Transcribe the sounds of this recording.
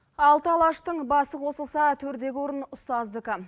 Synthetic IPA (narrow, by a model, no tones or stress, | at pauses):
ɑlˠt̪əɑlˠɑʃt̪əɴbɑsəqʰo̞səlˠsɑt̪ʰɵɾd̪e̞ɡʲɪwo̞ɾənʊst̪ɑzd̪əkə